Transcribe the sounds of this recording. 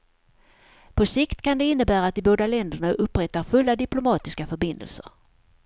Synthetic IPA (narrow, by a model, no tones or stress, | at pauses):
pʰɔsɪkt̪kʰand̪ɛɪnːəbæːɾaːt̪̚d̪ɪboːd̪alɛnd̪əɳaʔɵpːɾɛt̪ːaɾfɵlːad̪ɪplʊmɑːt̪ɪskafœɾbɪnd̪ə̰lsə̰ɾ